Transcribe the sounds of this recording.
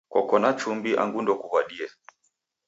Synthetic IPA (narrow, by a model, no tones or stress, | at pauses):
kɔkɔnat͡ʃumbiʔa̰ŋɡundɔkuhwaɗiɛ